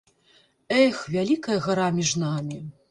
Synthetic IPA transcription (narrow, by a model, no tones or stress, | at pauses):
ɛxvʲalʲikɐjɐɣaɾamʲiʐnamʲi